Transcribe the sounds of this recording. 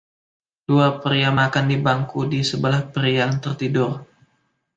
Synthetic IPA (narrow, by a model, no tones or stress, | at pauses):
d̥uapəɾiamakandibaŋkudisəbəlahpəɾiaŋt̪ərt̪idʊr